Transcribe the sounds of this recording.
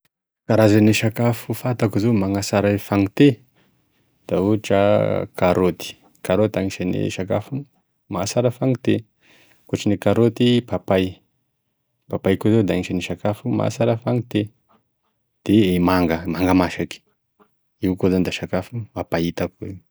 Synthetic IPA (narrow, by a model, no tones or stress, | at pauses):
kaɾazaneʃakafufat̪akuzomaŋasaɾafaŋit̪e | d̪̥auaʈ͡ʂəkaɾot̪i̥ | kaɾot̪aŋit͡ʃanḛʃakafu | masaɾəfaŋit̪e | koʈ͡ʂanekaɾot̪ipapaj | papajkuzod̪aŋiʃaniʃakafuma̰saɾəfaŋit̪e | d̪̥eemaŋɡəmaŋɡamaʃaki̥ | iwkozand̪aʃakafuapait̪akuwe